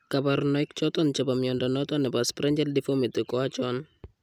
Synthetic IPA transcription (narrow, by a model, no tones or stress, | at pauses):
kapaɾnɔik̚t͡ʃɔt̪ɔnt͡ʃapamjɔndɔnɔt̪ɔnɛpaspɾɛɲd͡ʒɛldifomɪt̪ɪkɔat͡ʃɔn